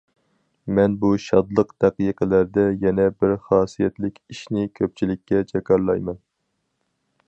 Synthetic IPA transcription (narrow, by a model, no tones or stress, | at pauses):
mɛnbuʃɑd̪lˠəqd̪̥æqijqʰəlæɾd̪ɛjɛnɛbɪɾχɑːsijɛt̪lɪkʲiʃnɪkʲʰøp̚t͡ʃʰilɪkʲːɛt͡ʃʰɛkɑɾlˠɑjmɛn